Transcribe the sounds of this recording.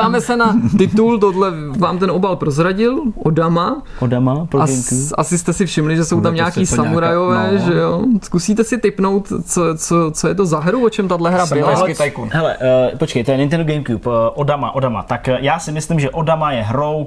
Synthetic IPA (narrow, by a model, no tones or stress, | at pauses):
aːmɛsɛnat̪ɪt̪ult̪odlɛvaːmt̪ɛnʔo̞balpɾozɾaɟɪlʔodama | odamapʔa̰sɪst̪ɛsɪfʃɪmlɪʒɛso̞wt̪amɲaakiːsamuɾajovɛːʒɛjoskusiːt̪ɛsɪt̪ɪpno̞wt̪t͡sot͡sot͡sojɛt̪̬ozaɦɾuvot͡ʃɛmt̪adlɛɦɾabɪlaakɪt̪ajkunɦɛlɛ̰ʔpot͡ʃkɛjt̪ojɛnɪnt̪ɛnduɡɛjmkjupʔodama̰ʔodama̰t̪akjaːsɪmɪslɪmʒɛʔo̞damajɛɦɾow